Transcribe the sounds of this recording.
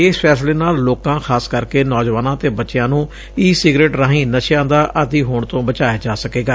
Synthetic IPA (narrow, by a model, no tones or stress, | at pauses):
eːspʰɛːsleːnaːlːoːkãːxʰaːskəɾkeːnɔːd͡ʒʋaːnãːt̪eːbətːʃɪjãːnũː | iːsɪɡɾeːʈɾãːɦĩːnəʃjãːd̪aːʔəd̪iːɦoːɳt̪õːbət͡ʃaːjaːd͡ʒaːsəkeːɡaː